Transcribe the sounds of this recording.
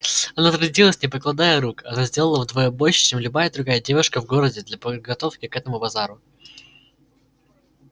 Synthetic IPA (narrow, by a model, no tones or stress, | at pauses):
ɐnat̪ɾɐdʲilˠəsʲnʲɪpəklˠɐd̪ajəɾukɐ̰nazʲdʲe̞lˠəlˠəvd̪vojəbo̞lʲʂɪ̥t͡ɕemlʲʊbajəd̪ɾʊɡajədʲe̞vʊʂkəvɡo̞ɾədʲɪd̪lʲɐpəd̪̚ɡɐt̪o̞fkʲɪkɛt̪əmʊbɐzaɾʊ